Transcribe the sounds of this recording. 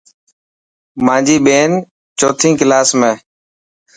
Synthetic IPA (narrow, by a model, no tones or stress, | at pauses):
mãːd͡ʒiːɓeːn | t͡ʃoːt̪ʰĩːkɪlaːsmẽː